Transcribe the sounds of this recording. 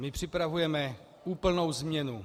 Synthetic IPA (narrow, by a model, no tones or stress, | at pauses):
mɪpr̝̥ɪpɾavujɛmɛ | uːpl̩no̞wzmɲɛnu